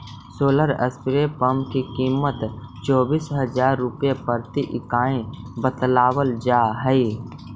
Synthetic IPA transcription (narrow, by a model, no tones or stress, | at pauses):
soːləɾə̰spɪɾepəmkikiːmət̪t͡ʃɔːbiːsɦəd͡ʒaːɾːʊpjepəɾt̪iʔɪkaːẽbət̪laːwəld͡ʒaːɦəi